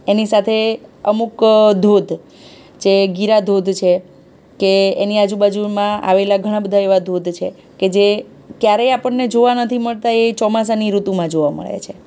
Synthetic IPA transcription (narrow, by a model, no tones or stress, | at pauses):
enisat̪ʰeəmukd̪ʱod̪ʱ | d͡ʒeɡiɾad̪ʱod̪ʱt͡ʃʰe | keeniad͡ʒubad͡ʒumãa̰ʋelaɡʱəɽ̃ãbəd̪ʱaeʋad̪ʱod̪ʱt͡ʃʰe | ked͡ʒe | kjaɾeapəɳned͡ʒoʋanət̪ʰiməɭt̪aet͡ʃɔmas̬aniɾut̪umãd͡ʒoʋamə̰ɭḛt͡ʃʰe